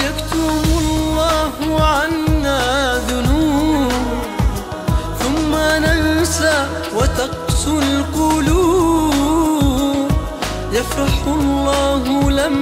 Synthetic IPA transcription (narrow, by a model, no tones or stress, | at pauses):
jakt̪ʊmlːɑːhʊʕanːaːðʊnuːbb | θʊmːanansa | wat̪ɑqsˤʊlqʊluːb | jɑfɾˤɑħʊlˤːɑːɦʊlam